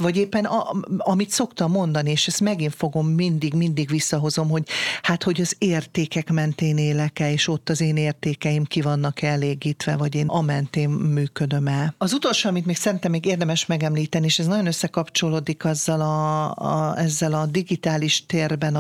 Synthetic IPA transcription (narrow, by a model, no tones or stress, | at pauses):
vɒɟeːpːɛnɒɒmit̪so̞kt̪ɒmːo̞nd̪ɒnieːʃɛst̪mɛɡiɱfo̞ɡo̞mːind̪iɡmind̪iɡʋisːɒɦo̞zo̞mho̞ɟhat̪ho̞ɟɒzeːrt̪eːkɛkmɛnt̪eːneːlɛkɛleːʃo̞t̪ːɒzeːneːrt̪eːkɛjimkivɒnːɒkɛɛleːɡiːt̪ʋɛvɒɟeːnɒmɛnt̪eːnːyːkø̞d̪ø̞mɛlɒzut̪o̞lʃoːɒmit̪meːksɛɾint̪ɛmːeːɡeːrd̪ɛmɛʃmɛɡɛmliːt̪ɛnieːʃɛznɒɟo̞nøsːɛkɒpt͡ʃo̞loːd̪ikɒzːɒlɒ | ɛzːɛlɒd̪iɡit̪aːliʃt̪eːrbɛn